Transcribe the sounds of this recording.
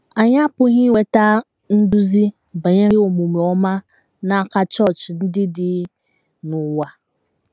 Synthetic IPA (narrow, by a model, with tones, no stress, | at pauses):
a˨ɲa˦pʊ˦ɦi˦we˦ta˦ | n̩˦dʊ˦zi˦ | ba˨ɲe˦ɾɪ˦o˨mu˨me˨ɔ˦ma˦ | na˨ka˦t͡ʃɔ˦˨t͡ʃn̩˦dɪ˦dɪ˨ | nʊ˨wa˨